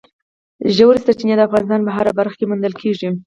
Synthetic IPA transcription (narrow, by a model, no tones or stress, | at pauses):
ʒawɾsat͡ʃinjed̪əafɣɑnɪst̪ɑnpəɦaɾabaɾxḁkemund̪əlkʰeʐi